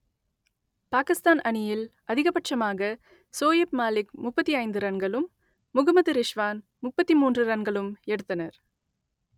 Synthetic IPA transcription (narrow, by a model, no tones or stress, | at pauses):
paːkɪst̪aːnʔɐnɪjɪlʔɐðɪɣɐpɐʈʂɐmaːɣɐ | soːjepmaːlɪkmʊpːɐt̪ːiɐɪnd̪ɯɾɐnɡɐɭɯmː | ʊɣɐmɐðɯɾɪʂʋaːn | mʊpːɐt̪ːimuːndrɯɾɐnɡɐɭɯmɛɽɯt̪ːɐnɐɾ